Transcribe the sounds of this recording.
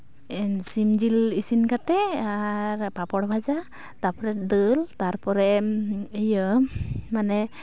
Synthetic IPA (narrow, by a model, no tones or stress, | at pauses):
simd͡ʒilisinkatɛaɹpapɔɽbʱaza | tapɔɾɛdɯltaɹpɔɾɛejɔmanɛ